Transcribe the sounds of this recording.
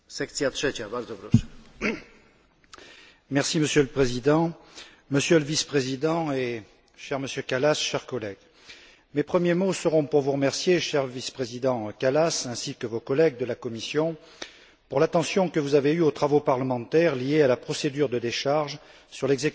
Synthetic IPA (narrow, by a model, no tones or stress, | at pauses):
sɛkt̪iat̪ʃɛt͡ʃabald̪əbloʃ | mɛʁsiməsjøləpχezid̪ɑ̃ | məsjøləvispχezid̪ɑ̃e | ʃɛʁməsjøkalasʃɛʁkɔlɛɡ̥ | mepχəmjemosəʁɔ̃puʁvuʁəmɛʁsjeʃɛʁvispχezid̪ɑ̃kalasɛ̃sikəvokɔlɛɡ̚d̪əlakɔmisjɔ̃ | puʁlat̪ɑ̃sjɔ̃kəvuzaveyot̪χavopaʁləmɑ̃t̪ɛʁlijealapχɔsed̪yʁd̪əd̪eʃaʁʒ | syʁlɛɡzek